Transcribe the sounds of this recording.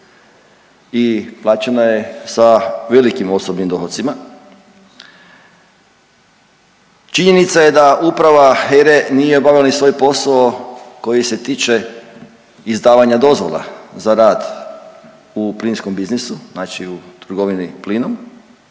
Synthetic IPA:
iplˠaːt͡ʃenaje̞saʋe̞likimo̞sobnimd̪o̞xot̪sima | t͡ʃiɲe̞nit̪saje̞d̪aʔupɾaʋaxeɾenijeobaʋilanisʋo̞jpo̞saoko̞jise̞t̪iːt͡ʃe̞ | izd̪aːʋaɲad̪o̞zʋo̰lˠa̰zaɾaːd̪ | upliːnskombiznisuznaːt͡ʃiut̪ɾɡo̞ʋinipliːnom

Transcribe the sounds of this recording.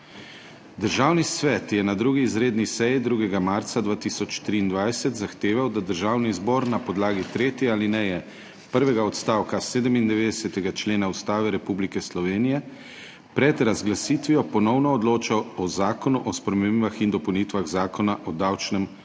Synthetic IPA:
d̪əɾʒaːwnisʋɛt̪jɛnad̪ɾuːɡiːzɾeːd̪nisɛjid̪ɾuːɡɛɡamaɾt̪sad̪ʋaːt̪isɔt͡ʃt̪ɾiːnd̪ʋajsɛt̪zaxt̪eːʋawd̪ad̪əɾʒaːwnizbɔɾnapɔd̪laːɡit̪ɾeːt̪jɛaːlinɛjɛ | pəɾʋɛɡaɔt̪st̪aːwkaseːd̪əmind̪ɛʋeːd̪ɛsɛt̪ɛɡat͡ʃleːnaust̪aːʋɛɾɛpublikɛslɔʋeːnijɛ | pɾɛd̪ɾazɡlasiːt̪ʋijɔpɔnɔwnɔːd̪loːt͡ʃawɔzaːkɔnuʔɔspɾɛmemiʋaxind̪ɔpɔwnit̪ʋaɣzaːkɔnaʔɔd̪awt͡ʃnɛm

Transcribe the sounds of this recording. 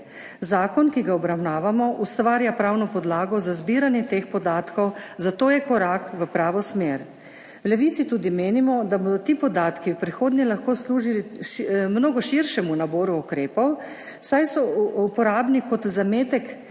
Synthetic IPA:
zaːkɔnkiɡaɔbɾawnaːʋamɔʔust̪ʋaːɾjapɾaːwnɔpɔd̪laːɡɔzazbiɾanjɛt̪eːxpɔd̪aːt̪kɔwzat̪oːjɛkɔɾaːkʋəpɾaːʋɔsmeːɾ | wlɛʋit̪sit̪uːd̪imeːnimɔd̪abɔd̪ɔt̪ipɔd̪aːt̪kiwpɾixoːd̪njɛlaxkosluːʒiliʃmnoːɡɔʃiɾʃɛmunaboːɾuukɾeːpɔw | sajsɔuupɔɾaːbnikɔt̪zameːt̪ɛk

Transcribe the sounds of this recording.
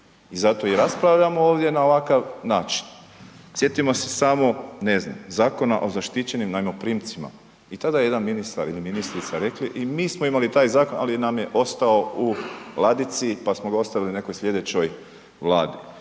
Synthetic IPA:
izat̪o̞iɾaspɾaʋʎamooːʋd̪je̞naoʋakaʋnaːt͡ʃi̥n | sjet̪imo̞se̞̥samo̞ne̞zna̰mzaːko̞na̰ʔo̞zaʃt̪it͡ɕe̞nimnajmopɾiːmt̪sima̰ | it̪ad̪ajeje̞d̪anminist̪a̰ɾiliminist̪ɾit̪saɾe̞kliʔimiːsmoimalit̪aːjzaːko̞nalinamje̞ʔo̞st̪ao̞ulˠad̪it̪sipasmoɡao̞st̪aʋiline̞kojsʎʲe̞d̪e̞t͡ɕoj | ʋlˠaːd̪i

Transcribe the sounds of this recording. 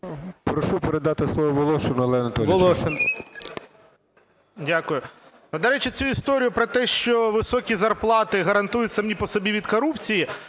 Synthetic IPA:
pɾɔʃupeɾed̪ɑt̪ɪslˠɔʋɔʋɔlˠɔʃenʊɐlˠɛɐnɐt̪ɔlilˠɔʃen | dʲakʊjʊ | d̪ɐɾɛt͡ʃɪt͡sʲuist̪ɔɾʲijʊpɾɔt̪ɛʃt͡ʃɔʋɪsɔkʲizɐrplˠɑt̪ɪɦɐɾɐnt̪ujʊtʲsɐmnʲipɔsɔbʲiʋʲid̪kɔɾupt͡sʲiji

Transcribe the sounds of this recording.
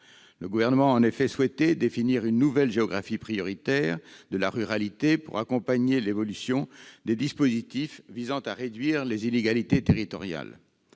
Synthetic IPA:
ləɡuvɛʁnəmɑ̃ɑ̃nefɛswɛt̪ɛd̪efiniʁynːuvɛlʒeɔɡʁafipχijɔʁit̪ɛːʁd̪əlaʁyʁalit̪epṵʁakɔ̃paɲelevɔlysjɔ̃d̪ed̪ispozit̪ifvizɑ̃t̪aʁed̪ɥiʁlezineɡalit̪et̪eʁit̪ɔ̰ʁja̰l

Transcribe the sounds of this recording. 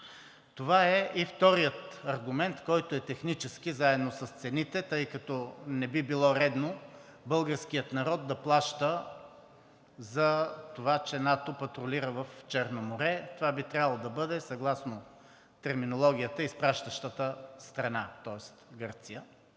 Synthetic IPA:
t̪ovaɛʔift̪ɔɾijət̪ɐɾɡʊmɛnt̪kɔjt̪oɛt̪ɛxnit͡ʃɛsk̟izaɛd̪nosɐst̪sɛnit̪ɛt̪ɤjkɐt̪ɔnɛbibilˠɔɾɛd̪no | bɤlˠɡəɾskijət̪nɐɾɔd̪̚d̪ɐplˠaʃt̪ə | zɐt̪ovat͡ʃɛnat̪opɐt̪ɾoliɾəvɐft͡ʃɛɾnomoɾɛt̪ovabit̪ɾʲavəlˠod̪ɐbɤd̪ɛsɐɡlˠasno | t̪ɛɾminolˠɔɡʲijət̪əispɾaʃt̪əʃt̪ət̪əst̪ɾɐnat̪ɔɛst̪ɡɤɾt̪sijə

